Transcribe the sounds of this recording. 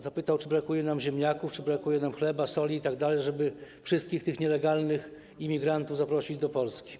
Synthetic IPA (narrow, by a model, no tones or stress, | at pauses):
zapɘt̪awt͡ʂɘbɾakujɛnamʑɛmʲɲakuft͡ʂɘbɾakujɛnamxlɛbasɔlʲiːt̪aɡd̪alɛjʐɛbɘfʂɘst̪̚kʲixt̪ɘxɲɛlɛɡalnɘx | imʲiɡɾant̪uvzapɾɔɕid͡ʑd̪ɔpɔlskʲi̥